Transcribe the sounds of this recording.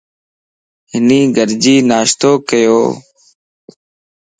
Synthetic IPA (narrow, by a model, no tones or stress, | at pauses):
ɦɪniːɡəɾd͡ʒiːnaːʃt̪oːkəjoː